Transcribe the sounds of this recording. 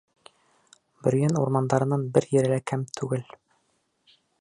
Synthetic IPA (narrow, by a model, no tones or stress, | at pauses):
bɵ̆ɾ̆jænṵɾmɑnd̪ɑɾɤ̆nɑnbɘɾjɘ̆ɾɘ̆lækæmt̪ʰʉɡɘl